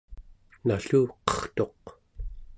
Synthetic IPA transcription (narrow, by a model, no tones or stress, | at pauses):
naɬuːqʌ̥χt̪o̞q̚